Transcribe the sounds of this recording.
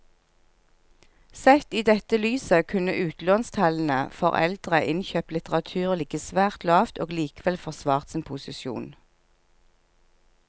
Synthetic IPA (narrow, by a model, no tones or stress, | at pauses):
sɛt̪iːd̪ɛt̪əlyːsəkʰʉnəʔʉːt̪loːnst̪ʰɑln̩əfɔ̰ʁɛ̰ld̪̥ʁəʔɪnçøːplɪt̪əʁɑt̪ʰʉːʁlɪɡəsʋæːʁt̪lɑːft̪oːɡliːkəʋɛlfɔʁsʋɑːʁt̪sɪːnpʰʊsɪʃjṵːn